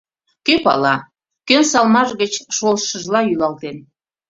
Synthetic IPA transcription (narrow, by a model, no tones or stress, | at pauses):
køpɑ̰lɑ | kønsɑlmɑʃɣət͡ɕʃolʃəʒlɑjylɑlt̪en